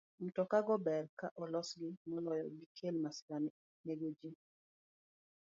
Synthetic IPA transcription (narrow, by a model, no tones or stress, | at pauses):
m̩tɔkaɡɔbɛrkaʔɔlɔsɡɪmɔlɔjɔbikʰelmasɪ̥kan | neɡod͡ʒi